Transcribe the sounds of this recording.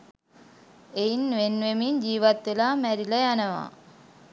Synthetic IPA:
ejnʋenʋemiɲd͡ʑiːʋat̪ʋelaːmæɾilɐjanəʋa̰ː

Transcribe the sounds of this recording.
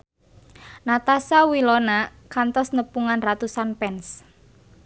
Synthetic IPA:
nat̪asawilɔnakant̪ɔsnəpuŋanrat̪usanpɛns

